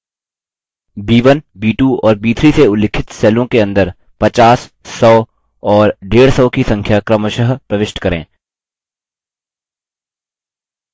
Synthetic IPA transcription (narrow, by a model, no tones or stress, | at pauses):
biːʋənbiːʈuɔːɾbiːt̪ʰɾiseʊlɪkʰɪt̪sɛːlõkeɐ̃nd̪əɾ | pɐt͡ʃaːsː | ɔː | ɔːɾɖeːɽsɔːkisɐ̃ŋkʰjakɾəməʃəɦpɾɐʋɪʃʈkɐɾḛ̃ː